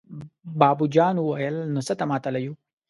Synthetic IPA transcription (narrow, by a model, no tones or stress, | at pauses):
bɑːbud͡ʒɑːnuwajəlnosət̪amɑt̪alaju